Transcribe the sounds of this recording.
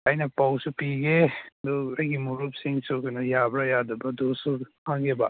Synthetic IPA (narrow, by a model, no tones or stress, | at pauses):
ajnɐpawsupiɡed̪oɾaɡimuɾup̚siŋsuknɐjabɾajadɐbɐdosuhaŋɡeba